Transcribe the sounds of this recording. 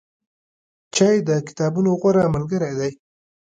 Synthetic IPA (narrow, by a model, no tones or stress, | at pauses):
t͡ʃajd̪əkɪ̥t̪ɑbunoɣaɾamalɡəɾajd̪aj